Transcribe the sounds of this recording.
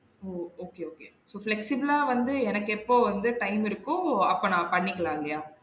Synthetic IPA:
oːoːkeːoːkeː | soːflɛksɪbɐlaːʋɐnd̪ɯɛnɐkːɯɛpːoːʋɐnd̪ɯʈɐɪmɪɾɯkːʊ̃ɐpːoːnãːpɐɳːɪkːɐɭãːŋɡɐjaː

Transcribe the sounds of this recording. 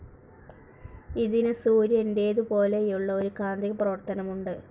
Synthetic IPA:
iðinɨsuːɾjende̞ːðupo̞ːle̞ijuɭːɐo̞ɾukaːnd̪iɣɐprɐʋɐrt̪ɐnɐmuɳɖɨ

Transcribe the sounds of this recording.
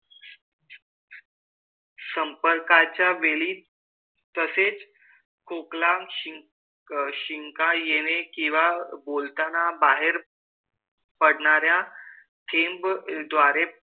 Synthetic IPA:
səmpəɾkat͡ɕjaʋeliː | t̪əset͡s | kʰoklaɕi | ɕiŋkãjeñekĩʋabolt̪anabaɦeɾ | pəɽɳaɾja | t̪ʰembd̪ʋaɾe

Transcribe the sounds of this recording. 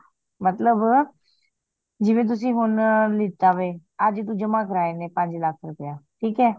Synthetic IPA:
mət̪ləb | d͡ʒɪʋẽt̪̬ʊs̬ĩɦʊnlɪt̪aʋead͡ʒt̪̬ũd͡ʒəmakəɾaːenepãːɲd͡ʒlaːkʰɾʊpjaːʈʰiːkɦɛː

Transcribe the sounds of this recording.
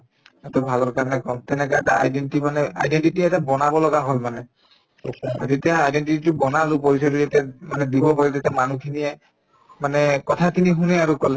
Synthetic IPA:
ɛtɔbʱalɔɹkaɹnɛkɔmt̪ɛnɛkaɛtaa̰jdentimanɛa̰jdentitiɛtabɔnabɔlɔɡaɦolmanɛ | a̰zetijaajdenʈititubɔnalupoɹisɔtujatamanɛd̪ibɔpaɹitetamanukʰiniɛ | manɛkɔtʰatiniɦunɛaɹukɔlɛ

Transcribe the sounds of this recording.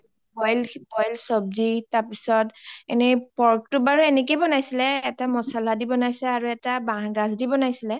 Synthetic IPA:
bɔjlbɔjlsɔb̚zitaɹpisɔtɛ̰nɛpɔɹk̚tʊbaɹuɛnɛk̬ejbɔnajsilɛːtamɔsaladibɔnajsɛaɹuɛtabaŋɡazdibɔnajsilɛ

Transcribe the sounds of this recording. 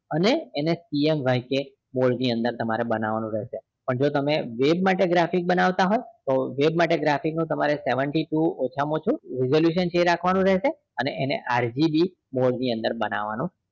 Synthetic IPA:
əneːnesiemʋajke | moɭniə̃nd̪əɾt̪əmaɾebənaʋanũɾɛɦʃe | pəɳd͡ʒot̪əmeʋebmaʈeɡɾafik̚bənaʋt̪aɦojt̪oʋebmaʈeɡɾafiknũt̪əmaɾeseʋəɳʈiʈuot͡ʃʰamõt͡ʃʰũɾɪzoljuʃ̬ənt͡ʃeɾakʰʋanũɾɛɦʃe | ənḛʔenḛʔaɾd͡ʒibi | moɭniə̃nd̪əɾbəna̰ʋa̰nũ

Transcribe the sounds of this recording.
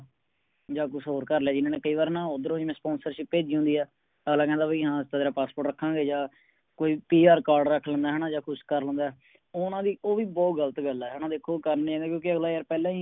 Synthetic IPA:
d͡ʒaːkʊsɦoːɾkəɾleaːd͡ʒɪnãːneːkəiːʋaːɾnãːʊd̪əɾõːiːmɛ̃ːspɔ̃ːnsəɾʃɪppeːd͡ʒiːɦʊ̃nd̪iːɛː | əɡlaːkɛ̃ːd̪aːbiːɦãːst̪aːd̪eːɾaːpaːspoːʈɾəkʰːãːɡeːd͡ʒãː | koːiːpiːaːɾkaːɾɖɾəkʰːlə̃ːnd̪aːɦɛnaːd͡ʒaːkʰʊskəɾlə̃nd̪aɛː | oːnãːd̪iːʔoːʋiːbɔːt̪ɡələt̪ɡəlɛːɦʊnãːd̪eːkʰːoːkəɾnːãːnd̪eːkjõːkɪəɡlaːjaːɾpɛːlɛ̃ːi

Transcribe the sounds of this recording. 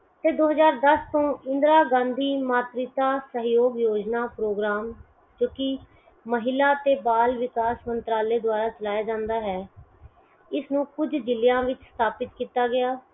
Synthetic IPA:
t̪eːd̪oːɦəzaːɾd̪əst̪õːɪ̃nd̪ɾaːɡãːnd̪iːmaːt̪ɾit̪aːsəɦjoːɡjoːd͡ʒnaːpɾoːɡɾaːm | d͡ʒoːkɪ | məɦɪlaːt̪eːbaːlʋɪkaːsmənt̪ɾaːleːd̪ʊaːɾaːt͡ʃəlaːjaːd͡ʒãːnd̪aːɦɛː | ɪsnũːkʊd͡ʒd̪ɪlɪjãːʋɪt͡ʃst̪ʰaːpɪt̪kiːt̪aːɡɪaː

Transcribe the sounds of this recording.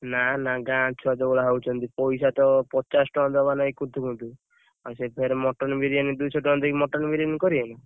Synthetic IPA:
nanaɡãt͡ʃʰuad̪ɔbɔɭaɦawt͡ʃʰɔnt̪ipɔjsat̪ɔpɔt͡ʃasʈɔd̪ɔbanaikut̪ʰukunt̪u | asepʰeɾemɔʈɔnbiɾiand̪ujsɔʈɔnd̪ɔkimɔʈɔnbiɾiɔnkɔɾiana

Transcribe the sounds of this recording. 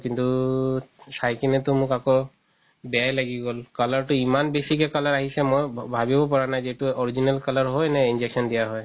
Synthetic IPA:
kint̪u | sajkinet̪omukako | bɛajlaɡiɡɔlkalɔɾʈoimanbesikekalaɾaɦisemojbʱabibopɔɹanajd͡ʒeʈuɔɾid͡ʑinalkalɔɾɦɔjnɛind͡ʒekʃɔndijaɦɔj

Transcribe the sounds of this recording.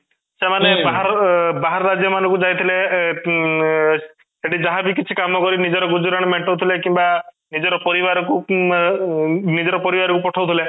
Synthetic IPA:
semanebaɦaɾɔbaɦaɾɔɾad͡ʒjɔmanɔ̃ŋkud͡ʒajt̪ʰile | seʈʰid͡ʒaɦãbikit͡ʃʰikamɔkɔɾinid͡ʒɔɾɔɡud͡ʒɔɾaɽ̃ɔmeɳʈowt̪ʰilekimba | nid͡ʒɔɾɔpɔɾibaɾɔku | nid͡ʒɔɾɔpɔɾibaɾɔkupɔʈʰawt̪ʰile

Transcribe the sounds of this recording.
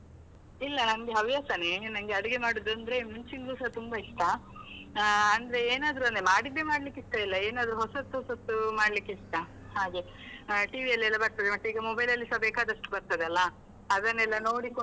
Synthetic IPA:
ilːɐnɐnɡeɦɐʋjaːt̪anenɐnɡeɐɽiɡe̞maːɽud̪uɐnd̪ɐɾe̞muɲt͡ʃiŋɡluːsat̪umbɐiʂʈa | nd̪ɐɾe̞eːnaːd̪ɾuɐnd̪emaːɽid̪ːemaːɽlikːiʂʈɐilːɐeːnaːd̪ɾuɦɔsɐt̪ːuɦosɐt̪ːumaːɽlikːiʂʈa | haːɡe̞ | ʈiːʋiɐlːiɛlːɐbɐɾt̪ad̪emɐʈːeiːɡɐmɔbɐjlɐlːisɐbeːkaːd̪ɐʂʈu̥bɐɾt̪ɐd̪eɐlːɐː | d̪ɐnːɛlːɐno̞ːɽiko

